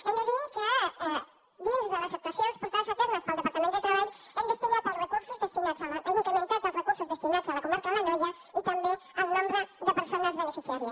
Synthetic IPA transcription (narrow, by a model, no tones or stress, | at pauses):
ənəðiəkə | ðunzðələsək̚t̪asionspəɾfasat̪oɾnəspəlˠd̪əpaɾt̪əmẽnd̪ət̪ɾəβaʎ | ənd̪əst̪inat̪əlˠrəkuɾsuzðəst̪inad͡zalaʔikənənt̪azəlˠrəkuɾsuzðəst̪inad͡zələkumaɾkələɲɔʒə | it̪əmbeəlˠnombɾəðəpəɾsonəzβənəfisiaɾjəs